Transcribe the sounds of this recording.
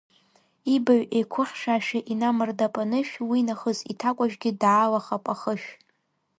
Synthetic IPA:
ibaɥekʷʰʊχʲʂaːʃaʔinamɨrdapʼanɨʃᶣwinaχəzitʰakʷʼaʒʷᶣɡʲɪdʕalaχapʼaχəʃᶣ

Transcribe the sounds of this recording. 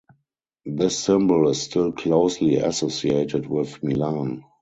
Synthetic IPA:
ðɪsːɪ̃mbəlɪsstɪlkʰloʊsliæ̰sosieɪtɪtwɪðmilãn

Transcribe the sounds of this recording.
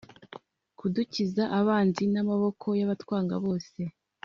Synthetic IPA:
kuducizaʔaβaːnzinamaβo̞kʰo̞jaβatwaːŋɡa̰βo̞ːse̞

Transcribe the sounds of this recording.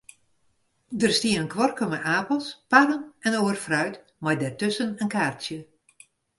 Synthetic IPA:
dərstiənənkʰʋɔrkəmɛʔaːpəlˠspaɾənɛnoːərfrœɥt | majdɛrtʏsənənkaːrtsjə

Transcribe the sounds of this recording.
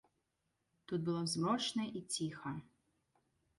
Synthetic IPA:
t̪ut̪̚bɨlˠɔzmɔt͡ʂnɐʔit͡sʲixɐ

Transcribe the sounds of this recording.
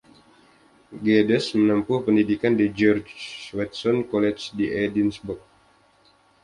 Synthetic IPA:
ɡɛdəsmənəmpʊhpəndidikandid͡ʒɔrd͡ʒwɛt̪̚sɔnkɔlɛt͡ʃdiʔɛdinsbuk̚

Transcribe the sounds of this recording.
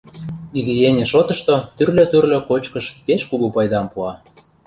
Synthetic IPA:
iɣĕjenʲĕʃot̪ɤ̆ʃt̪ot̪yrløt̪yrlʲø̆kot͡ɕkɤ̆ʃpeʃkuɣupɑjd̪ɑmpuɑ

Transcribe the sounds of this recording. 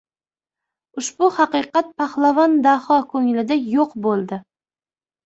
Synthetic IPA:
ʊʃbʊhɑqɨqɑt̪̚pʰaχlˠavɒnd̪ahɒkʰɵŋɪlɪd̪ajoqbolˠd̪ɪ

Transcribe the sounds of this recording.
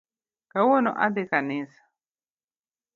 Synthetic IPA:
kawɔnɔ̰ʔa̰d̪ekanisḁ

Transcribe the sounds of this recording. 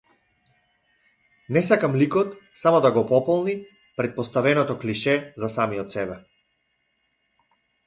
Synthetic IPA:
nɛsakamlikɔt̪samɔd̪aɡɔpɔpɔlˠni | pɾɛt̪̚pɔst̪avɛnɔt̪ɔkliʃɛzasamiɔt̪sɛbɛ

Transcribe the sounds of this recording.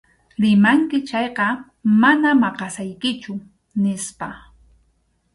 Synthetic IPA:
ɾɪmaŋkɪt͡ʃɑjqɑ | manamɑqɑsajkɪt͡ʃʊ | nɪspa

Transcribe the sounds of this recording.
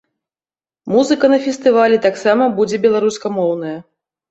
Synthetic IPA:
muzɨkɐnɐfʲɛst̪ɨvalʲɛt̪aksamɐbud͡zʲɛbʲɛlˠaɾuskɐmɔwnɐjɐ

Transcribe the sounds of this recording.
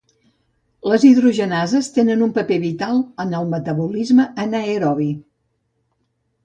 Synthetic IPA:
ləziðɾuʒənazəst̪enənumpəpeβit̪alˠənəlˠmət̪əβulizməʔənəeɾɔβi

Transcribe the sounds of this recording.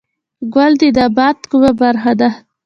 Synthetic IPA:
ɡwald̪id̪abat̪kubabaɾxad̪a

